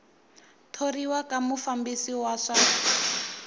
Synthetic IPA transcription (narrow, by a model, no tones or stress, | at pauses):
tʰoriwakamufambisiwaːʂa